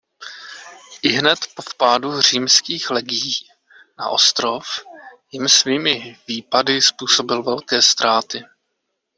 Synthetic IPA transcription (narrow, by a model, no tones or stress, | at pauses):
ʔɪɦnɛt̪po̞fpaːdur̝̥iːmskiːxlɛɡɪjiː | na̰ʔo̞st̪ɾo̞fjɪmsviːmɪviːpadɪspuːso̞bɪlvɛlkɛːst̪ɾaːt̪ɪ